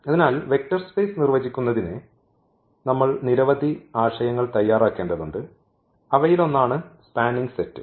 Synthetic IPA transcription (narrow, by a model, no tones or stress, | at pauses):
ɐðinaːlʋe̞k̚tɐrspe̞ːsnirʋɐd͡ʑikʲːunːɐðinɨ | nɐmːɐɭniɾɐʋɐd̪ʱiaːʂɐjɐŋːɐɭt̪ɐjːaːraːkːe̞ːɳɖɐðuɳɖɨ | ɐʋɐjilo̞nːaːɳɨspaːnːiŋɡsetːɨ̰